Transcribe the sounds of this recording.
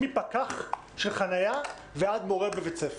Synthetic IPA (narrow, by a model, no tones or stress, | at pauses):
ipakaχ | ʃelχanaja | vead̪mo̞ʁebevet͡sef